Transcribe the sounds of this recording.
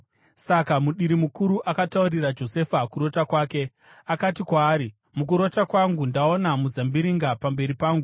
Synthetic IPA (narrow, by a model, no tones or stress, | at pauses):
sakamuɗiɾimukuɾuʔakataurirad͡ʒo̞se̞fakuɾo̞takwaːke̞ | akatikwaːɾi | muk̬uɾo̞takwaŋɡundao̞namuzambiɾiŋɡapambe̞ɾipaːŋɡu